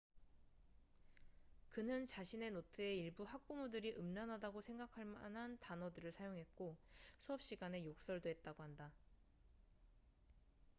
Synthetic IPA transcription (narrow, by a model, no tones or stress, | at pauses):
kɯnɯnt͡ɕaɕʰine̞notʰɯeiɭbuhak̚k͈umudɯɾiʔɯmnanɦadaɡosʰe̞ŋɡakʰaɭmanɦantanʌdɯɾɯɭsʰajoŋɦe̞t̚k͈osʰuʌp̚ɕ͈iɡane̞jok̚s͈ʌɭdoɦe̞t̚t͈aɡohanda